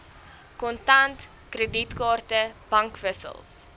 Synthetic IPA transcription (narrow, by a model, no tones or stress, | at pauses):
kɔntɐnt | krəditkɑːrtəb̥ɐŋkvəsə̰lˠs